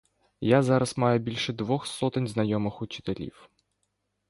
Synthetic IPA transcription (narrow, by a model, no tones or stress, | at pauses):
jazɑɾɐsmɑjɛbʲilʲʃɛd̪ʋɔxsɔt̪ɪnʲznɐjɔmɪxʊt͡ʃɪ̥t̪elʲḭw